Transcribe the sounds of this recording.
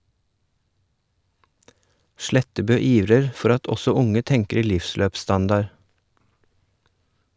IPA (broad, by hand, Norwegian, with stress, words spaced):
ˈʃlɛtəbøː ˈiːʋɾəɾ ˈfɔɾ ˈɑt ˈɔsɔ ˈʊŋə ˈtɛŋkəɾ ˈlɪfˌsløːpˌstɑndɑɾ